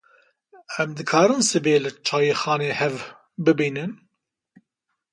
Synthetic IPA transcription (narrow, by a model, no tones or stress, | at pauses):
ɛmd̪ɨkʰɑːɾɨnsɨbeːlɨt͡ʃʰaːjexɑːneːhɛv | bɨbiːnɨn